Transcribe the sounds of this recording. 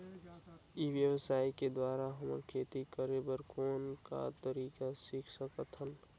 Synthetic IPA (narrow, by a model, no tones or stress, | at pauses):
iʋjəwəsaːiked̪waːɾaɦəmə̰ɾkʰeːt̪ikəɾebəɾkʰoːnka̰t̪əɾiːkasikʰsəkət̪ʰən